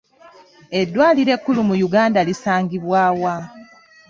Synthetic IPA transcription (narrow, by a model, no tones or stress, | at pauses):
e̞dːwaːliɾe̞kːulumujuɡaːndalisaːŋɡiβwaːwa